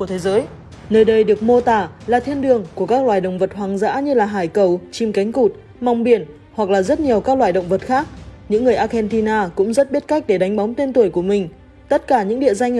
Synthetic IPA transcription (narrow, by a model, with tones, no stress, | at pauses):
u˧˩ət̪ʰe˨˦zəː˨˦j | nəː˧jɗə˧jɗɨ˨˩ək̚mo˧t̪aː˨˩laː˨˩t̪ʰi˧ənɗɨ˨˩əŋku˧˩əkaː˦˥k̚lwaː˧˨˩jɗə̰˧˨wŋ͡mvə˨˩t̚ɦwaː˨˩ŋza̰ː˧˥ɲɨ˧laː˨˩ɦaː˧˩jkə˨˩wt͡ɕi˧mka˨˦jŋ̟ku˨˩t̚ | ma˨˧˩wŋ͡mɓi˧˩ən | hwa˨˩k̚laː˨˩zə˦˥t̚ɲi˨˩əwkaː˦˥k̚lwaː˧˨jɗə̰˧˨wŋ͡mvə˨˩t̚xaː˦˥k̚ɲɨ̰˧˥ŋːɨ˨˩əjʔaː˧xɛ˧nt̪i˧naː˧kʊ̰˧˥ŋ͡mzə˦˥t̚ɓi˦˥t̚ka˦˥jk̟̚ɗe˧˩ɗa˨˦jŋ̟ɓa˨˦wŋ͡mt̪e˧nt̪u˧˩əjku˧˩əmï˨˩ŋ̟ | t̪ə˦˥t̚kaː˧˩ɲɨ̰˧˥ŋɗḭ˧˨əza˧jŋ̟